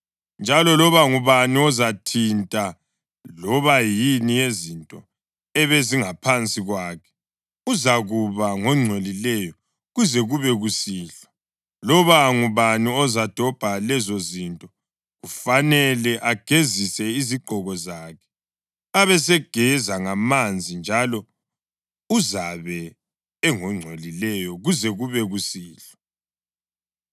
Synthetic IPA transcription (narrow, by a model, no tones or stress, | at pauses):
nd͡ʒʱalɔlɔβaŋuβaniɔzatʰintʼa | lɔβajinijezintʼɔ | ɛβeziŋapʰant͡sʼiɣwaːkʰɛ̥ | uzaɣuβaŋɔŋ͡ǀʱwelilɛjɔ | ɣuzɛɣuβɛɣusiːɬɔ̥ | lɔβaŋuβaniɔzad̥ʱɔb̥ʱalɛzozintʼɔ | ɣufanɛlɛʔaɡ̥ʱezisɛiziɡ͡ǃʱɔɣɔzaːkʰɛ̥ | aβɛsɛɡ̥ʱɛzaŋamand͡zʱind͡ʒʱalɔ | uzaβɛː | ŋɔŋ͡ǀʱwelilɛjɔɣuzɛɣuβɛɣusiːɬɔ̥